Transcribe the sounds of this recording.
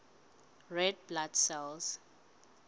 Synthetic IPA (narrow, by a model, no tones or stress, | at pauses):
ɹɛd̚bladsɛls